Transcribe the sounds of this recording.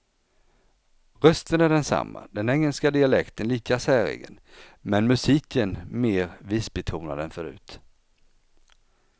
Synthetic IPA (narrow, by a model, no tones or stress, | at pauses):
ɾœst̪ənæɖɛnsa̰mːa̰d̪ɛnɛŋːəlskad̪ɪalɛkt̪ʰənliːkasæːɾɪ̰ɡə̰nmɛnmɵsiːkənmeːɾviːsbɛt̪ʰuːna̰d̪ɛnfœɾʉ̟̰ːt̪